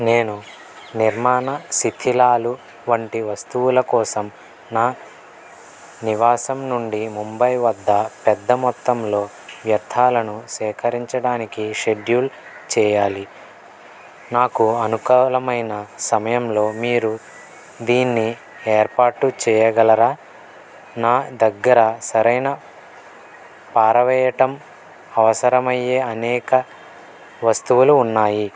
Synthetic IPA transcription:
neːnu | niɾmaːnɐsit̪ʰilaːlu | ʋɐɳʈiʋɐst̪uwulɐkɔːsɐm | naː | niʋaːsɐmnuɳɖimumbɐjʋɐd̪ːɐpɛd̪ːɐmɔt̪ːɐmlo̞ː | ʋjɐɾt̪ʰaːlɐnusɛːkʰɐɾiɲt͡ʃɐɽaːnikiʃe̞ɖjuːlt͡ʃɛːjaːli | naːkuɐnukɐlɐmɐjnɐsɐmɐjɐmlo̞ːmiːɾu | d̪iːnːi | eːɾpaːʈːut͡ʃɛːjɐɡɐlɐɾaː | naːd̪ɐɡːɐɾɐsɐɾɐjnɐ | paːɾɐʋɛːjɐʈɐm | ɐʋɐsɐɾɐmɐjːe̞ːɐnɛːkɐ | ʋɐst̪uʋuluːnːaːji

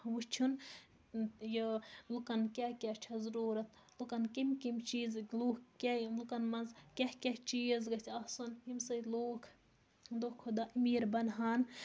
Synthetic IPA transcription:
ʋut͡ʃʰun | jilukɐnkʲakʲat͡ʃʰɐzɾuːɾɐt̪ | lukɐnkimkimt͡ʃiːzluːkkʲalukɐnmɐnzkʲehkʲeht͡ʃiːzɡɐt̪ʰʲɐsonɦimsɐloːkʰ | d̪okʰːud̪aʔimiːɾbɐnɦaːn

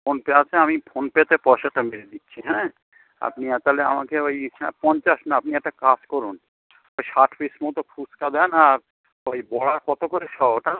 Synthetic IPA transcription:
pʰonpeat͡ʃʰeamipʰonpet̪epɔʃaʈːameɾed̪itːʃʰiɦɛ̃ | a̰pniat̪alea̰makeojɛ̰̃pɔnt͡ʃaʃnaapniɛk̚ʈakaskɔɾun | ojʃaʈʰfismɔt̪okʰuskad̪ɛnaɾ | ojbɔɽaɾkɔt̪okoɾeʃɔbʈa

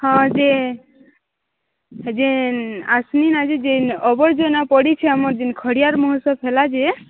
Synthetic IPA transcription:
hɔ̃d͡ʒe | d͡ʒenasninad͡ʒed͡ʒenɔbɔɾd͡ʒonapɔɽit͡ʃʰɛamɔɾd͡ʒinkʰɔɽijaɾmɔɦɔsɔpʰelad͡ʒe

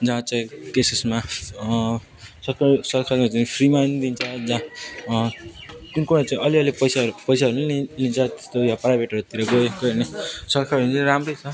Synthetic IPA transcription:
d͡zãt͡sãĩkesesma | sʌrkʰasʌrkʰaɾmat͡saĩpʰrimajnd̪int͡sʰʌd͡zã | k̪unkuɽat͡saĩʔʌliʌlipʌjsaɾupʌjsaɦɾuneilint͡sʰʌt̪e̥st̪ojãprajbʱeʈʌɾut̪iɾʌɡoekʌnesʌrkʰaɾʌɾnt͡saĩɾamrʌjt͡sʰʌ

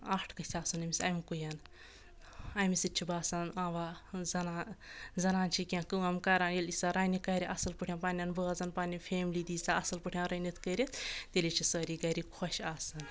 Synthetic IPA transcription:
aːʈʰkɐsʲaːsunɐmʲisʲɐjmkujan | ɐjmisit̚t͡ʃʰibaːsɐnaːʋaːzɐnazɐnaːnt͡ʃʰikʲãːkɨɐmkɐɾaːnjelisaːɾaːnikɐɾʲiʔɐsɐlpɨʈʰjãːpaːnʲanbəːɐzɐnpaːnʲipʰʲeːmlid̪iːsaɐsɐlpɨʈʰʲjãːɾɐnit̪ʰkəɾʲet̪ʰt̪ʲelʲit͡ʃʰisəːɾiɡɐɾikʰɔʃaːsɐn

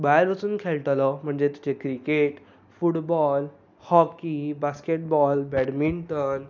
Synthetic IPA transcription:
bajɾʋət͡suːnkʰelʈ̪əlɔm̤əɳd͡zet̪ut͡ɕekɾikeʈ | fuʈbɔl | hɔkibaskeʈ̚bɔlbɛɽmiɳʈən

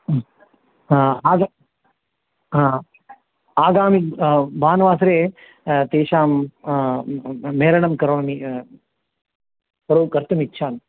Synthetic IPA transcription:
aːɡa | ɦã | aːɡaːmik̚bʱaːnʋaːsɾeː | t̪eːʃaːm | meːɾɐɳɐmkɐɾoːni | kɐɾoːkɐɾt̪ɐmit̪ːʃʰaːn

